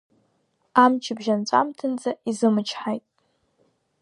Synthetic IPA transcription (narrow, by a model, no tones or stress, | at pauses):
amt͡ʃʰɪbʒant͡ʃʷʼa̰mtʰɨnd͡zaizɨmɨt͡ʃʰħajtʼ